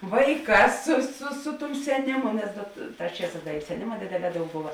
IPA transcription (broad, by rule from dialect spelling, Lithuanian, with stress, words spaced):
ˈʋɐɪˌkɑːs sʊ sʊ ˈsʊ ˌtʊm sʲɛˈnʲɪmʊ nʲɛs dɐ t ˈtɑːs ˈt͡ʃʲiɛˌsɑːs ˈdɐ ɪ sʲɛˈnʲɪmɐ ˈdʲeːdʲeːˌlʲɛː ˈdɐʊk ˈbʊʋɐ